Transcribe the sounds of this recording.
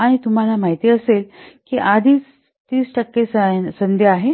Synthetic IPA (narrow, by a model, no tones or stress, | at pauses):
aɽ̃it̪um̤alamaɦit̪iːəselkiːʔad̪ʱiːt͡s | t̪iːsʈəkːessənd̪ʱjeaɦe